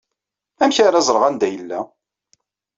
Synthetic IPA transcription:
æmçaɾæzˤɾˤəʁænd̪æjəlːæ

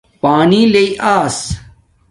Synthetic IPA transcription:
paːnileiʔaːs

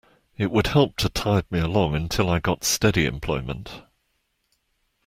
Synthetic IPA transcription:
ɪʔwəd̥̚hɛlˠp̚tʰətʰaɪvmiəlɒ̃ŋə̃ntʰɪlˠaɪɡɒtstɛɾiɪ̰̃mpʰl̥ɔɪmə̰̃nt

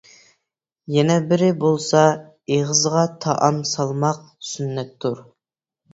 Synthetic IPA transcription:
jɛnɛbɪɾɪbolˠsɑ | eʁəzʁɑt̪ʰɑʔɑmsɑlˠmɑq̚ | synːɛt̪ʰːuɾ

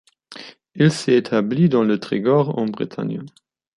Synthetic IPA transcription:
ilsɛet̪ʰablid̪ɑ̃lət̪χeɡɔʁɑ̰̃bʁḭt̪ʰa̰njə

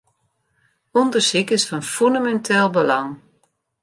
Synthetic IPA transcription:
ɔndərsikɪsfɔnfyndamɛntʰɪlˠbəlɑŋ

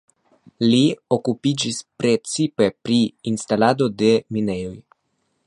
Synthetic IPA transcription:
lio̞kupid͡ʒispɾe̞t͡sipe̞pɾiinstalado̞de̞mine̞jo̞j

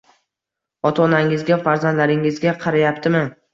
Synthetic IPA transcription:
ɒt̪ʰɒːnaŋɪzɡʲafaɾzand̪laɾɪŋɪzɡʲaqʰɑɾajapt̪ʰɪmɪ

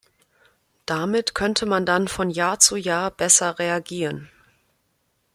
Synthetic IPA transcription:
d̥amɪtkʰœntʰəmandanfɔnjaːɐt͡sujaːɐb̥ɛsɐʁeaɡiːʁən

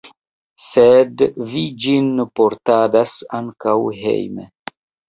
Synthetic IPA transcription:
sedvid͡ʒinpo̞ɾtadasaŋkawɦḛjmḛ

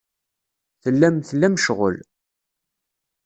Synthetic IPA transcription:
θəlːæmθəlːæmʃʁə̰l

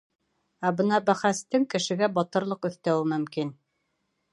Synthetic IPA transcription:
æbɤnɑbæχæst̪ɘŋkɘ̆ʃɘ̆ɡæbɑt̪ɤ̆ɾlˠɤqɵ̆θt̪æwɘmɵ̆mkin

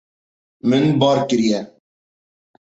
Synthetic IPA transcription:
mɨnbɑːɾkɨɾijɛ

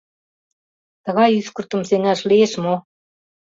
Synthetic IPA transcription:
t̪ɤ̆ɣɑjyskə̆rt̪ə̆mseŋæʃlieʃmo

